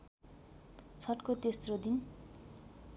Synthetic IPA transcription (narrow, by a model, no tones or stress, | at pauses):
t͡sʰʌʈkot̪esrod̪in